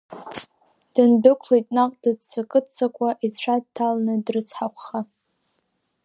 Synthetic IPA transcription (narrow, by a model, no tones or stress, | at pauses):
d̥ɨndɨkʷʰlijtʼnaqʼdɨd͡zt͡sʰakʼɨtt͡sʰakʷʼaʔizʈ͡ʂʷʰad̚tʰːalnɨdrɨt͡sʰħakʷʰχa